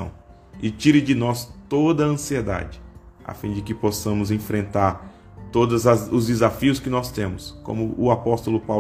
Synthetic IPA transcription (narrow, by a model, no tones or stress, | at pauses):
ɐ̰̃w̃ | ɪt͡ʃiɾɪd͡ʒɪnɔst̪od̪ɐɐ̃sied̪a̰d͡ʒɪa̰fĩd͡ʒɪkɪpɔsɐ̃mʊzẽfɾẽnt̪aɾ | t̪od̪ɐzɐʊzd͡ʒɪzafiʊskɪnɔst̪ẽmʊskõ̰mʊʔʊapɔst̪ʊlʊpaw